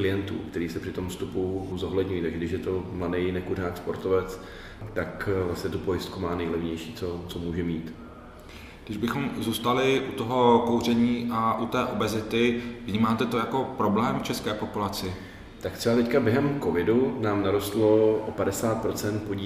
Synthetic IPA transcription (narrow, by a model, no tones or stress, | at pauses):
klɪjɛnt̪ṵːkt̪ɛɾiːsɛpr̥ɪt̪o̞mfst̪upuzoɦlɛdɲujiːt̪aɡʒɛɡdɪʃjɛt̪o̞mladɛjnɛkuɾnaːkspo̞ɾt̪ovɛt͡s | t̪akvlasɲɛt̪upo̞jɪst̪kumaːnɛjlɛvɲɛjʃiːt͡sot͡somuːʒɛmiːt̪ | ɡdɪʒbɪxo̞mzuːst̪alɪʔut̪o̞ɦo̞ko̞wrɛɲiːʔaʔut̪ɛːʔo̞bɛzɪt̪ɪvɲiːmaːt̪ɛt̪o̞jako̞pɾo̞blɛːmft͡ʃɛskɛːpo̞pulat͡sɪ | t̪akt̪sɛbat̪ɛckabjɛɦɛmko̞vɪdunaːmnaɾost̪lo̞ʔopadɛsaːt̪̚pɾo̞t͡sɛnt̪̚poɟiː